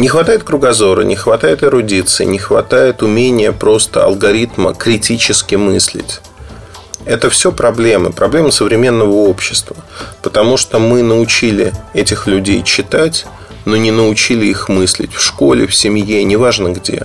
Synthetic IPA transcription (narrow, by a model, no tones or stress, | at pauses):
nʲɪxvɐt̪ajɪt̪̚kɾʊɡɐzo̞ɾə̰nʲɪxvɐt̪ajɪt̪ɪɾʊdʲit̪sɨɪ̰nʲɪxvɐ̰t̪ajɪt̪ʊmʲenʲɪjəpɾo̞st̪ə̰ɐ̰lˠɡɐɾʲit̪mə̰kɾʲɪtʲit͡ɕɪskʲɪmɨsʲlʲɪ̰tʲ | ɛt̪əfsʲopɾɐblʲe̞mɨ̰pɾɐblʲe̞mɨsəvɾʲɪmʲe̞nːəvəo̞pɕːɪst̪vəpə̥t̪ɐmuʂt̪omɨnəʊt͡ɕilʲɪɛtʲɪxlʲʉdʲejt͡ɕːɪt̪atʲ | no̞nʲɪnəʊt͡ɕilʲɪixmɨsʲlʲɪ̰tʲfʂko̞lʲɪ̰fsʲɪmʲjenʲɪvaʐnəɡdʲe̞̰